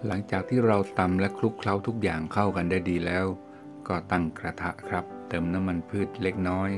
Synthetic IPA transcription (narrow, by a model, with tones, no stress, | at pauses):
la˩˦ŋt͡ɕaː˨˩k̚t̪ʰiː˥˩ɾa˧wt̪a˧mlɛ˦˥kʰlu˦˥kʰla˦˥wt̪ʰu˦˥k̚jaː˨˩ŋkʰa˥˩wka˧ndaː˥˩jdiː˧lɛː˦˥w | kɔː˥˩t̪a˥˩ŋkɾa˧t̪ʰa˦˥ʔkʰɾa˦˥p̚t̪ɤː˧mna˦˥mːa˧npʰɯː˥˩t̪̚le˦˥k̚nɔː˦˥j